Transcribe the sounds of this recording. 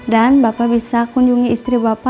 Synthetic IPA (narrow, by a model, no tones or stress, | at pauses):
danbapabisakuɲd͡ʒuŋiːst̪ɾibapa